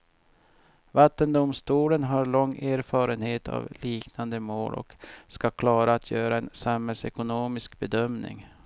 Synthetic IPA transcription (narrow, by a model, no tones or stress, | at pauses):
vat̪ːənd̪ʊmst̪uːlənɦaɾɭɔŋːeːɾfɑːɾənheːt̪ʰa̰vliːknand̪əmo̰ːlʔɔ̰kskakʰlɑːɾaːt̪ʰjœːɾaɛnsamhɛlsɛ̰kʊnoːmɪskbɛd̪œmnɪ̰ŋ